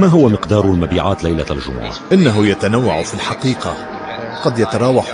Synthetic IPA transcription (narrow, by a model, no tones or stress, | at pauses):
maɦʊwamɪqd̪ɑːɾˤlmabiːʕaːt̪lajlalʒʊ̰mʊ̰ʕa̰ʔɪnːaɦʊjat̪anawːaʕfilħɑqiːqa | qɑd̪jat̪ɑɾˤɑːwaħ